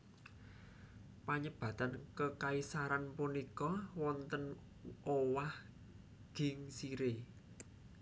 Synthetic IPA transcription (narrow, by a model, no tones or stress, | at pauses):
paɲəb̥ä̤t̪ankəkaisaɾanpunikɔwɔnt̪ən | ʔowah | ɡ̥ɪ̤ŋsiɾe